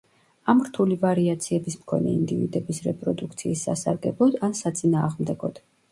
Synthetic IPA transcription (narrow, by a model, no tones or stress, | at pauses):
amɾt̪ʰulivaɾiat̪sʰiɛbismkʰɔnɛ̰ind̪ivid̪ɛbisɾɛpʼɾɔd̪ukʰt̪sʰiːsːa̰saɾɡɛblˠɔd̪ansat̪sʼinaːʁmd̪ɛɡɔd̪̥